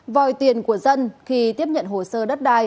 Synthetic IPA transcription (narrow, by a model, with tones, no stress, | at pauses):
vɔ˨˩jt̪i˨˩ənku˧˩əzə˧nxi˧t̪i˦˥əp̚ɲə̰˧˨nɦo˨˩səː˧ɗə˦˥t̚ɗaː˧j